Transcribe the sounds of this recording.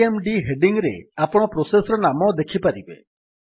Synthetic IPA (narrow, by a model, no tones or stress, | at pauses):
emɖiɦeɖiŋɡɾḛapɔɽ̃ɔpɾosesɔɾɔnamɔd̪ekʰipaɾibḛ